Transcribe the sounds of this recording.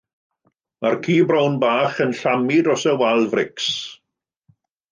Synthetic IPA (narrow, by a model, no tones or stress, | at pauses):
markʰiːbrɔwnbaːχənɬamidɔsəwalˠvrɪks